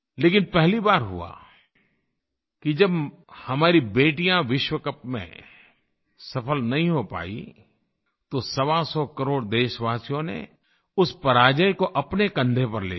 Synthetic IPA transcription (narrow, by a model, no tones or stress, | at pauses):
leːkɪnpɛɦlibaːɾɦṵa̰ | kid͡ʒɐb | hɐmaːɾibeːʈijãʋɪʃwəkəpmḛ̃ | sɐpʰəlnɐɦĩɦopa̰ːḭ | t̪osɐʋasɔkɐɾoːɽd̪eːʃʋaːsijõnḛ | ʊspɐɾaːd͡ʒəjkoʔɐpnekɐ̃nd̪ʱepɐɾlḛː